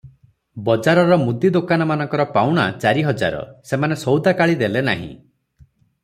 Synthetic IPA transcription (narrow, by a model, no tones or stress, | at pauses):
bɔd͡ʒaɾɔɾɔmud̪id̪okanɔmanɔŋkɔɾɔpawɽ̃a̰t͡ʃaɾiɦɔd͡ʒa̰ɾɔ̰semanesɔwd̪akaɭid̪elena̰ɦḭ̃